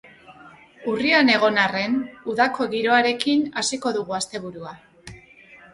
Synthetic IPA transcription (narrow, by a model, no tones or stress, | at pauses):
uriane̞ɣ̞o̞nare̞nuðako̞ɣiɾo̞aɾe̞kinasiko̞ðuɣ̞uast̪e̞β̞uɾua